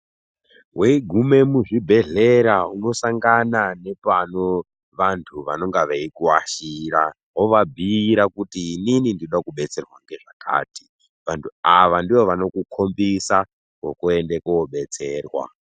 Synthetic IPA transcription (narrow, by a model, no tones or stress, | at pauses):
ɦweiɡʱume̞muʐibʱe̞ɮe̞ɾauno̞saŋɡanane̞pano | ʋantʰuʋano̞ŋɡaʋeikuwaʃiɾa | ɦoʋabʱiːɾakutiːninindinoɗakuɓe̞t͡se̞rwaŋɡe̞ʐakʰa̰ːti | ʋantʰuaʋandiʋo̞ʋano̞kukʰo̞mbisa | ko̰kue̞ndekuwoɓe̞t͡se̞ːrwa̰